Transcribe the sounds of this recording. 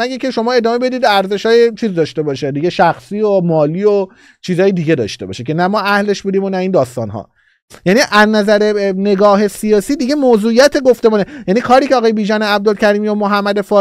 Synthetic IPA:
æɡecʰe̞ʃo̞mɒːe̞d̪ɒːme̞be̞d̪iːd̪æɾze̞ʃɒːjet͡ʃʰiːzd̪ɒːʃt̪e̞bɒːʃed̪iɟeʃæxsiːomɒːliːo | t͡ʃʰiːzɒːjed̪iɟe̞d̪ɒ̰ːʃt̪e̞bɒ̰ʃekcʰe̞næmɒːæhle̞ʃbuːd̪iːmonæiːnd̪ɒːst̪ɒ̰ːnɦɒ̰ː | jæniʔæznæzæɾene̞ɡɒːɦe̞sijɒːsiːd̪iɟe̞moːzuːijæt̪ʰe̞ɡoft̪e̞muːnejæniːkʰɒːɾiːcʰeɒːɣɒːjebiːʒɒːneæb̚d̪olcʰæɾiːmiomoɦæmːæd̪e̞fɒː

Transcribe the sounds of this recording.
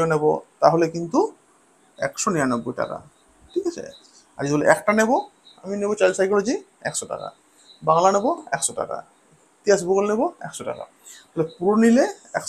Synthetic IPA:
ɔnebɔ̰t̪aɦolekint̪u | ɛ̰ksɔnianɔbːojʈa̰ka̰ | ʈʰikasʰḛ | a̰ɾizɔboleɛkʈanebɔ | a̰minebɔt͡ʃalsajkɔɹd͡ʑi | ɛ̰ksɔʈa̰ka̰ | baŋlanebɔɛ̰ksɔta̰ka̰ | t̪iasbuɡolnebɔɛ̰ksɔʈa̰ka̰ | ɔɦelɛpuɾonileɛk

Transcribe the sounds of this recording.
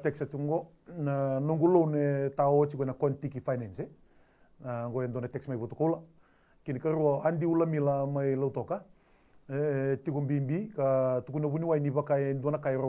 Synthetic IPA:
tɛksatuŋɡɔ | nanoŋɡulownɛtaɔt͡ʃikɔnakɔntikifajnɛnsɛ | naŋɡɔɛnd̪wɔnatɛksmajβɔtɔkaula | kinikaɾuaandiulamilamailawt̪ɔka | tikɔmbimbikatukunɛβuniwajniβakaɛnduanakaɛɾo

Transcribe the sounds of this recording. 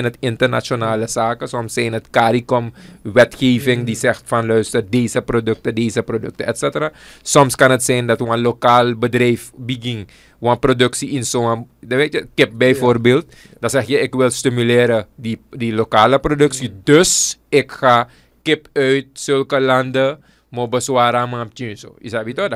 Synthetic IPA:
nətɪntərna̰t͡ʃjonaːləsaːkəsɔmsːɛjnətkaːɾikɔmʋɛtxeːvɪŋdisɛxtfanlœɥstərdeːsəprodøk̚tədeːzəprodɵ̰k̚təɛtsɛtəraːsɔmskanətsɛjndatwanlokaːlbədrɛjfbiɡiŋ | wanprodøksiɪnsoaʋetjəkɪp̚bɛjfoːrbeːlt̚ | dasɛxjəɛkʋɪlstimyleːɾəidilokaːləprodøksidøsɛkxa | kɪpœɥt̚sølkəlandə | mobəswaːɾamapt͡ʃynso̰ḭsaʋitoda

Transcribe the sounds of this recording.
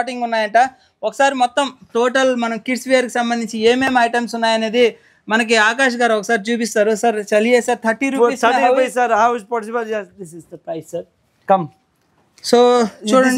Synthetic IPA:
ʈiŋɡunːaːjɐɳʈaː | ɔkɐ̥saːɾimɔt̪ːɐmt̪oːʈɐlmɐnɐmkiʈsʋijaːɾkisɐmbɐnd̪iɲt͡ʃieːmeːmɐjʈɐmsunːaːjɐne̞ːd̪i | mɐnɐk̬iaːkaːʃ̬ɐɡaːɾɐɔkɐsaːɾit͡ʃuːp̬ist̪aːɾusɐɾt͡ʃɐliɛːsaːɾt̪ʰɐʈːiɾuːiɐɐsɐɾaːʋispaʈisipaeːsd̪isizd̪ɐpɐjɐɾ | kɐm | soːt͡ʃuːɽɐɳɖ

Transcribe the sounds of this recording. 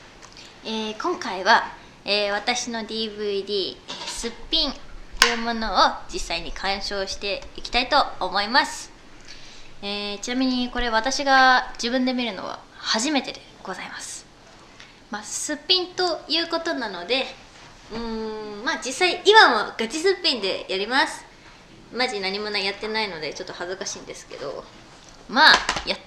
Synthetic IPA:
eːkõ̞ŋkaiβa | eːβ̞at̪aɕino̞d̪ʲiːbɯ̟d̪ʲiːsɨpʲːĩnt̪ojɯ̟mo̞no̞ːd͡ʑisːaiɲ̟ikʰãɰ̃ɕo̞ːɕi̥t̪e̞ikʲi̥t̪ait̪o̞ːmo̞imasɨ̥ | eːt͡ɕinamʲiɲ̟iko̞ɾe̞β̞at̪aɕiɡad͡ʑibɯ̟̃nd̪e̞mʲiɾɯ̟no̞̰βa̰ | haʑime̞t̪e̞d̪e̞ɡ̥o̞zaimasɨ̥ | masɨpʲːĩnt̪o̞jɯ̟ːko̞t̪o̞nano̞d̪e̞ | ɯ̟̃mad͡ʑisːaiʔimamoɡ̥at͡ɕisɨpʲːĩnd̪e̞̰jaɾʲimasɨ̥ | maʑinaɲ̟imo̞najat̪ːe̞naino̞d̪e̞t͡ɕo̞t̪ːo̞hazɨkaɕĩːnd̪e̞sɨ̥ke̞̰d̪o̞̰ | maja

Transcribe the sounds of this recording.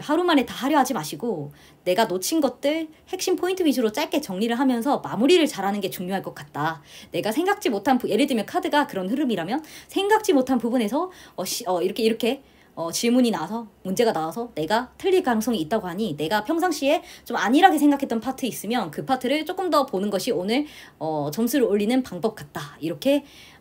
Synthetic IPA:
haɾumane̞taɦaɾjʌɦad͡ʑimaɕʰiɡo | ne̞ɡanot͡ɕʰinɡʌt̚t͈ɯɭhe̞k̚ɕ͈impʰointʰɯbid͡ʑuɾot͡ɕ͈aɭk͈e̞t͡ɕʌŋɲiɾɯɭɦamjʌns̬ʰʌmamuɾiɾɯɭt͡ɕaɾɦanɯnɡe̞t͡ɕuŋɲoɦaɭk͈ʌk͈at̚t͈ane̞ɡasʰe̞ŋɡak̚t͡ɕ͈imotʰanpuje̞ɾɯdɯmjʌnkʰadɯɡakɯɾʌnɸɯɾɯmiɾamjʌnsʰe̞ŋɡak̚t͡ɕ͈imotʰanpubune̞sʰʌʌɕʌiɾʌkʰeiɾʌkʰe̞ | ʌt͡ɕiɭmuɲinasʰʌmund͡ʑe̞ɡanawasʰʌne̞ɡatʰɯʎːik͈anɯŋs͈ʰʌŋiːt̚t͈aɡoɦaɲine̞ɡapʰjʌŋsʰaŋɕ͈ie̞t͡ɕomaɲiɾaɡesʰe̞ŋɡakʰe̞t͈ʌnpʰatʰɯis͈ɯmjʌnkɯpʰatʰɯɾɯɭt͡ɕ͈ok͈ɯmdʌponɯnɡʌɕʰionɯɭ | ʌt͡ɕʌmsʰuɾɯɭoʎːinɯnpaŋbʌp̚k͈at̚t͈aiɾʌkʰe̞

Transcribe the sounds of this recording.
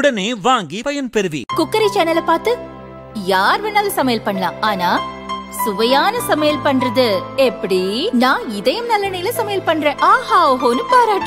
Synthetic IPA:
ɽɐneːʋaːŋɡipɐjɐnpɛɾɯʋḭkʊkːɐɾɐɪt͡ʃɛnːɐlɐpaːɾt̪ɯ | jaːɾʋɛnːaːlɐsɐmɐjɐlpɐɳːɐlãːaːnaːsʊʋɐjaːnɐsɐmejɐlpɐɳːɾɐðɯɛpːɐɽinãːɪðɐjɯmnɐlːɐnɐjɪlɐsɐmɐjɐlpɐɳːɾẽːʔaːɦaːɦoːnɯpaːɾaːʈːɯ

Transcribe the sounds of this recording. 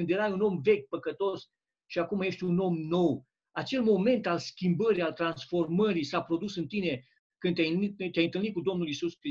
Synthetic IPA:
ɨnd̪je̞ɾajuno̞mve̞kʲpəkət̪o̞s | ʃiakumaje̞ʃt̪ʲuno̞mno̞w | at͡ʃe̞lmo̞me̞nt̪alskʲimbəɾialt̪ɾansfo̞rməɾisapɾo̞d̪usɨnt̪ine̞ | kɨnjajɨnit̪jajɨnt̪ɨlnit̪kud̪o̞mnulisuskɾi

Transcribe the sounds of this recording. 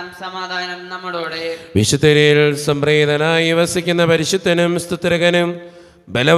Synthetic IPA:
ɐmsɐmaːd̪ʱaːnɐmnɐmːɐɽoːɽeʋiɕut̪ːɐɾijilsɐmreːd̪ʱɐnaːjiʋɐsikʲːunːɐpɐɾiɕut̪ːɐnumst̪ut̪ːɾɐɣɐnum | belɐ

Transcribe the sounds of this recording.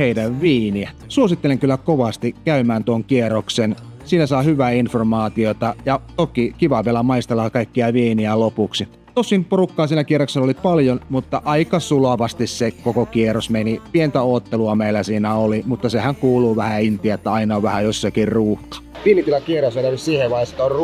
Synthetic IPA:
heidæʋʋiːniæsuosit̪ːeleŋkylːækoʋɑst̪ikkæymæːnt̪uoŋkieroksen | siːnæsɑihyʋæːinformɑːt̪iot̪ɑjɑt̪okikiʋɑʋielæmɑist̪elːɑːkɑikːiɑʋiːniælopuksi | t̪osːinporukːɑːnsiːnækieroksenolipɑljonmut̪ːɑʔɑikɑsuloʋɑst̪issekokokierosmenipient̪æoːt̪ːeluɑmeilːˑæsiːnæolimut̪ːɑsehæŋkuːluːʋæhæint̪iæt̪ːæɑinɑoʋʋæhæjosːɑkirruːhkɑ̥ʋiːmit̪ilːɑkieɾosʋelɑʋissiːheʋɑjst̪ˑor

